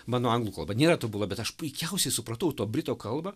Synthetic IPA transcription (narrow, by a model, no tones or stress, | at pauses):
mɑːnoːɐŋɡlˠuːkɐlˠbɐnʲeːɾɐt̪ʊbulˠɐbʲɛt̪ɐʃpʊɪkʲɛʊsʲɛɪsʊpɾɐt̪ɐʊt̪oːbʲɾʲɪt̪oːkɐlˠbɐ